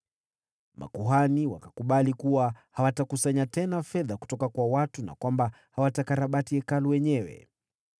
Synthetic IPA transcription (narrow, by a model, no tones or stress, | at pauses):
mʔa̰kuɦaniwa̰kḁkuɓalikuwahawatakusaɲatɛnafɛðaku̥tɔkakwawatuna̰kwamba | hawatakaɾaɓatiɛkaluwɛɲɛwɛ̰